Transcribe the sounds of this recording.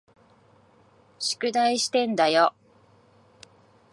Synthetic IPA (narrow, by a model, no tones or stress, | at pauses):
ɕi̥kɯ̟d̪aiɕi̥t̪ẽ̞nd̪ajo